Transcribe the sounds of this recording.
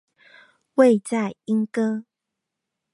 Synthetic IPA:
we˥˨ɪt͡sa˥˨ɪi˦ŋkɤ˦

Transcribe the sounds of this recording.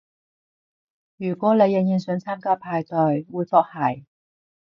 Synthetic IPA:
jyː˨˩kʷɔː˨˥ne˨˧jɛ˨˧ŋjiː˨˧nsɵ˨˥ŋt͡sʰaː˥mkaː˥pʰaː˧jt̪ɔ˨˩jwuː˨˧jfɔː˧k̚hɐ˨˩j

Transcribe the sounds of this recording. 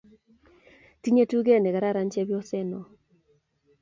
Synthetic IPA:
ti˦ɲe˦tu˦ɡe˦˨ne˨ɡa˨ɾa˦ɾa˨nt͡ʃe˦bjɔ˦sɛ˦nɔ˨

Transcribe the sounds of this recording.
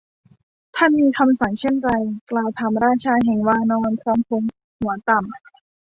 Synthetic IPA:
t̪ʰaː˥˩nmiː˧kʰa˧msa˩˦ŋt͡ɕʰe˥˩nɾa˧jklaː˧wt̪ʰa˧mɾaː˥˩nt͡ɕʰaː˧ɦɛ˨˩ŋwaː˧nɔː˧nkʰwaː˧mkʰo˧ŋ | hu˨˩˦ɐt̪a˨˩m

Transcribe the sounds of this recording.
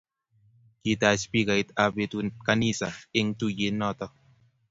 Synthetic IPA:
ki˨t̪a˨spi˦ka˨i˦t̪a˨be˧t̪u˧ka˧ni˦˨sa˨e˦˧ŋt̪u˦˨je˨˦nɔ˦˨t̪ɔ˦

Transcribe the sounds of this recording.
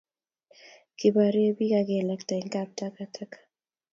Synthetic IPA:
ki˨ba˨ɾi˦bi˦ka˦kɛ˨lɛ˦kta˨i˨ŋkap̚ta˦ka˦tʰa˦kḁ

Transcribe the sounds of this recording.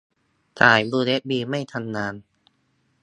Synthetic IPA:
t̪ʰaː˨˩jbuː˧le˦˥t̪̚biː˧ma˥˩jt̪ʰa˧nːaː˧n

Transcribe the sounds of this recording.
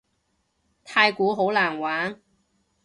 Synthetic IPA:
t̪ʰaː˧jkuː˨˥ɦo˨˥wlaː˨˩nwaː˨˥n

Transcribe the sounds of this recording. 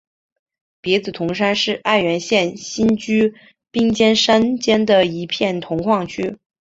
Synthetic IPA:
pjɛ˧˥t͡sɹ̩˨˩t̪ʰʊ˧˥ŋʂ̬a˥nʂɻ̩˥˧ʔa˥˩nɥɛ˧˥nɕjɛ˥˩nɕi˥nt͡ɕy˥ | pi˥ŋt͡ɕjɛ˥nʂa˥nt͡ɕjɛ˥nd̪ə˨˩i˧˥pʰjɛ˥˩nt̪ʰʊ˧˥ŋxʰwɑ˥˩ŋt͡ɕʰy˥

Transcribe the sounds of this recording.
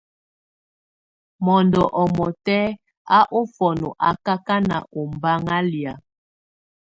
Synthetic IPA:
mɔ˨ndɔ˨ʔɔ˨mɔ˨tɛ˦ | a˦ʔo˦fɔ˨no˨ʔa˨ka˦ka˦na̰˨ʔo˨m˨ba˦ŋa˦lja˨

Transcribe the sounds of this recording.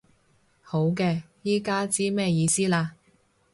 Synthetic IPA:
ho˨˥wkɛː˧ | jiː˥kaː˥t͡siː˥mɛː˥jiː˧siː˥laː˧

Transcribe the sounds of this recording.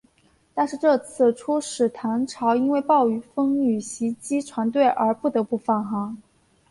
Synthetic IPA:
t̪a˥˧nʂɻ̩˥˧ʈ͡ʂɤ˥˧t͡sʰɹ̩˥˩ʈ͡ʂʰu˥ʂɻ̩˨˩t̪ʰa˧˥nʈ͡ʂʰɑ˧˥ʊi˥nwe˥˧ɪpɑ˥˩ʊy˧˥fɤ˥ŋy˨˩ɕi˧˥t͡ɕi˥ʈ͡ʂʰwa˧˥nt̪̬we˥˩ɪʔə˞˧˥pu˥˩t̪ɤ˧˥pu˥˩fa˥˩nxɑ˧˥ŋ

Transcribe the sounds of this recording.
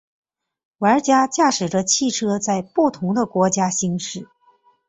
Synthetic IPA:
wa˧˥t͡ɕja˥t͡ɕja˥˩ʂɻ̩˨˩ʈ͡ʂə˦t͡ɕʰi˥˩ʈ͡ʂʰɤ˥t͡sa˥˧ɪpu˥˩t̪ʰʊ˧˥ŋd̪ə˧kwɔ˧˥t͡ɕja˥ɕi˥ŋʂɻ̩˥˩

